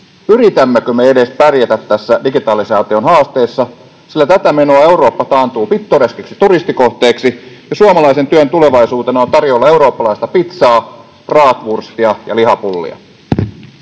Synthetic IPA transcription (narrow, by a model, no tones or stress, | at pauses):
yɾit̪æmːekømeede̞spærjet̪æt̪tːæsːædiɡit̪ɑːlisɑːt̪io̞nɦɑːst̪e̞ːsːɑ | silːæt̪æt̪æme̞noɑe̞uɾoːpːɑt̪ɑːnt̪uːpit̪ːoreskeksi̥t̪urist̪iko̞ht̪e̞ːksijɑsuomɑlɑise̞nt̪yønt̪ule̞ʋɑisuːt̪enɑont̪ɑrjoːlːɑeuɾo̞ːpːɑlɑist̪ɑpit̪sɑː | rɑːt̪ʋurst̪iɑjɑ̰lihɑpulːḭɑ̰